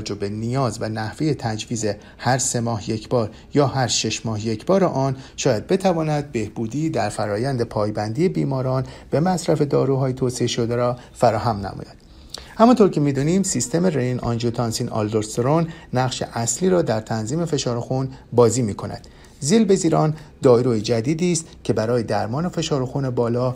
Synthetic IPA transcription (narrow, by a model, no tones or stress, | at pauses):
d͡ʒobe̞nijɒːzvænæhve̞jet̪ʰæd͡ʒviːze̞ | hæɾse̞mɒːhje̞cʰbɒːɾ | jɒːhæɾʃe̞ʃmɒːhje̞cʰbɒːɾeʔɒːnʃɒːjæd̪̚be̞t̪ʰævɒːnæd̪̚be̞hb̥uːd̪iːd̪æɾfæɾɒːjænd̪epʰɒːjbænd̪ije̞biːmɒːɾɒːnb̥e̞mæsɾæfe̞d̪ɒːɾuːɦɒːjet̪ʰoːseeʃod̪eɾɒː | fæɾɒːhæmnæ̰mɔ̰ːjæd̪̥ | hæmɒnt̪ʰo̞ɾcʰe̞miːd̪uːniːmsist̪e̞merenʔɒ̰nd͡ʒot̪ʰɒnsiːnɒ̰ld̪oɾsɾonːæʁʃe̞̰ʔæsliːɾɒːd̪æɾt̪ʰænziːme̞fe̞ʃɒːɾoxunbɒːziːmiːkʰo̞næ̰d̪̥ | zilbe̞ziːɾɒːnd̪ɒːjɾojed͡ʒæd̪iːd̪iːst̪cʰe̞bæɾɒːjed̪æɾmɒːne̞fe̞ʃɒːɾoxunebɒːlɒː